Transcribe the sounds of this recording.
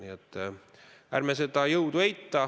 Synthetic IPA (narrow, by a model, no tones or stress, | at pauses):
iet̪ː | ærmeset̪ɑːjowt̪uejt̪ːɑː